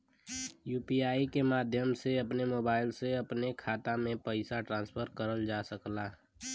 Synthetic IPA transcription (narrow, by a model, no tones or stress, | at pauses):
juːpiaːikemaːd̪ʱjəmseɐpnemoːbaːɪlseɐpnekʰaːt̪amẽpəɪsaʈɾãːnspʰəɾkəɾəld͡ʒasəklaː